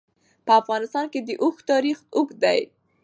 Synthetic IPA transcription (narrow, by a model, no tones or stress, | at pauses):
pəafɣɑnɪst̪ɑnked̪əʔʊxt̪ɑɾixʊkd̪aj